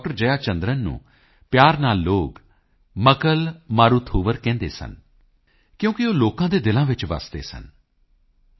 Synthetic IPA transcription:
k̚ʈəɾd͡ʒəjaːt͡ʃə̃nd̪ɾənːṵ̃ː | pjaːɾnaːlːoːk | məkəlmaːɾuːt̪ʰoːʋəɾkɛ̃ːnd̪ḛːsə̰n | kjõːkɪoːloːkãːd̪eːd̪ɪlãːʋɪt͡ʃʋa̰sd̪ḛːsə̰n

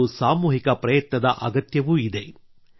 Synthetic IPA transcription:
usaːmuːɦikɐpɾɐjɐt̪nɐd̪ɐʔɐ̰ɡɐt̪jɐʋuid̪e̞

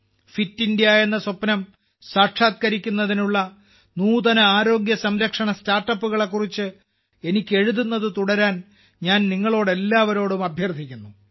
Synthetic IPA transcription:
fitːindijaje̞nːɐsopːnɐm | saːrʈʂaːt̪̚kɐɾikʲːunːɐðinuɭːɐ | nuːðɐnɐaːɾo̞ːɡjɐsɐmɾɐkʂɐɳɐstaːrʈːɐpːuɣɐɭe̞kːurit͡ɕːɨ | e̞nikʲːɨe̞ɻuðunːɐðɨt̪uɽɐɾaːn | ɲaːnniŋːɐɭo̞ːɽe̞lːaːʋɐɾo̞ːɽumɐbʱjɐrt̪ʰikʲːunːu

